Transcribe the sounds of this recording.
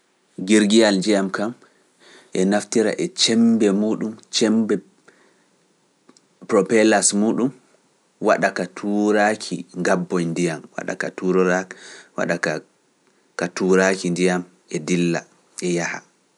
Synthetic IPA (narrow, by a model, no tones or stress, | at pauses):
ɡiɾɡijald͡ʒijamkam | ʔɛnaftiɾa̰ʔɛt͡ʃɛmbɛmuːɗumt͡ʃɛmbɛ | pɾɔpɛlasmuːɗum | wa̰ɗakatʰuɾakʰḭŋɡabːɔjndijamwa̰ɗa̰ka̰tuɾɔɾawa̰ɗaka | katuːɾakindijam | ʔɛdilːa̰ | ʔɛjaha̰